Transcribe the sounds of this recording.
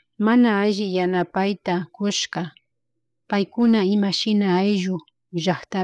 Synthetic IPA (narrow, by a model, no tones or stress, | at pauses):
manaːʒɪjanapajt̪akʊʃɢɑ | pajkʊnaɪmaʃɪnaːjʒʊ | ʒɑχt̪a